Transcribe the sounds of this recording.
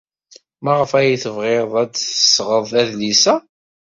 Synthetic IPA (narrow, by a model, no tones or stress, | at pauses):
mæʁəfæjiθəvʁeɾðˤædθəsʁəðˤæðlisæ